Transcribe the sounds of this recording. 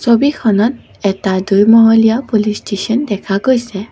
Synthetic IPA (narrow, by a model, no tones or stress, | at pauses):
sobikʰɔnɔt̚ | ɛtadujmɔɦolijapolistesɔndɛkʰaɡojsɛ